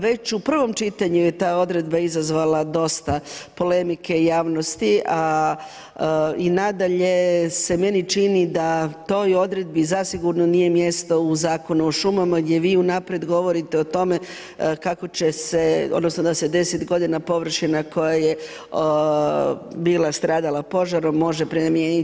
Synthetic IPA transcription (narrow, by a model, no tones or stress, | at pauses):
ʋe̞t͡ɕupr̩ʋo̞mt͡ʃit̪aɲuje̞t̪aːo̞d̪ɾe̞d̪baizazʋalad̪o̞st̪apo̞le̞mike̞ijaːʋnost̪iʔa | inad̪aʎe̞se̞me̞nit͡ʃinid̪at̪o̞ːjo̞d̪ɾe̞d̪̚bizasiɡuɾnonije̞mje̞st̪o̞uzaːko̞nuoʃumamaɡd̪je̞ʋiːunapɾjed̪ɡo̞ʋo̞ɾit̪eo̞t̪o̞me̞ | kako̞t͡ɕe̞se̞o̰d̪no̞snod̪ased̪e̞set̪ɡo̞d̪inapo̞ʋr̩ʃinako̞jaje̞ | biːlˠast̪ɾaːd̪alapo̞ʒaɾomːo̞ʒepɾimjeni